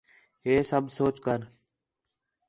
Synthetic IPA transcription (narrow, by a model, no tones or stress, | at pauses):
ɦeːsəbʱsoːt͡ʃkəɾ